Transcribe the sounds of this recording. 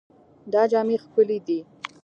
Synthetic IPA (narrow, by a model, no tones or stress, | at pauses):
d̪ɑd͡ʒɑmexkəlid̪i